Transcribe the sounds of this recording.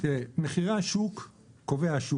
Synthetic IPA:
eneχiʁaʃukː | oveaʃu

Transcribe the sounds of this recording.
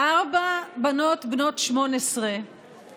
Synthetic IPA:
ʔaʁbabano̞t̪bno̞tʃmo̞nesʁe

